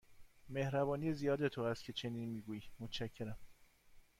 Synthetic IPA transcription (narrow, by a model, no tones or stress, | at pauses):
me̞hɾæbɒːnijezijɒːd̪e̞t̪ʰohæst̪̚cʰe̞t͡ʃʰe̞niːnmiːɡuːjimot̪ʰt͡ʃæcʰːe̞ɾæm